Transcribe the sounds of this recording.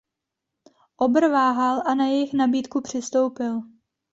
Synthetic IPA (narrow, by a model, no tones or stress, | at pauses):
ʔo̞br̩vaːɦalʔanajɛjɪxnabiːt̪kupr̝̥ɪst̪o̞wpɪl